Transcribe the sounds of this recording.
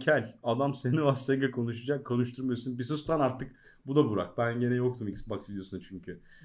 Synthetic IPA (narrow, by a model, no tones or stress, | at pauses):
cʰælʲad̪amsenivast̪eɡakʰo̞nuʃad͡ʒakʰːo̞nuʃ̬t̪ʰuɾmajosunbisɯst̪anaɾt̪ʰɯk̚ | bud̪abuɾa̰k̚bænɟe̞nɛjok̚t̪ʰumicsbaksvid̪jo̞sunat͡ʃʰyɲcʰy